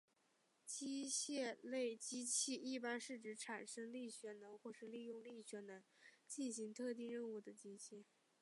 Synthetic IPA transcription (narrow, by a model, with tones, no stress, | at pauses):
t͡ɕi˥ɕjɛ˥˧le˥˩ɪt͡ɕi˥t͡ɕʰi˥˧i˥˩pa˥nʂɻ̩˥˩ʈ͡ʂɻ̩˧˥ʈ͡ʂʰa˨˩nʂɤ˥ŋli˥˩ɕɥɛ˧˥nə˧˥nxwɔ˥˧ʂɻ̩˥˧li˥˧jʊ˥˧ŋli˥˩ɕɥɛ˧˥nə˧˥nt͡ɕi˥˩nɕi˧˥ŋt̪ʰɤ˥˧t̪̬i˥˧ɻə˥˧nu˥˩d̪ə˩t͡ɕi˥t͡ɕʰɛ˥˩